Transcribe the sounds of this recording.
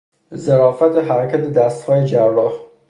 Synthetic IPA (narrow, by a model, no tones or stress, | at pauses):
zeɾɒːfæt̪ʰeɦæɾækʰæt̪ʰed̪æst̪hɒːjed͡ʒæɾːɒːh